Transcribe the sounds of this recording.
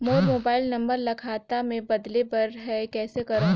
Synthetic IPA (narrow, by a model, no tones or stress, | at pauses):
moːɾmoːbaːɪlnɐ̃mbəɾlɐkʰaːt̪amẽbɐd̪lepɐɾɦɛkɛːsekɐɾə̃